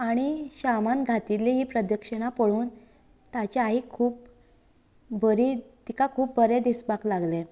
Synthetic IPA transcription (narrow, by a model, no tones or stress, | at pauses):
aɽ̃iɕamanɡʱat̪ileɦiːpɾəd̪əkʂəɽ̃apəɭuːn | t̪at͡ɕeaɦikʰuːp̚ | bəɾit̪ikakʰuːp̚bʱəɾed̪isbaklaɡle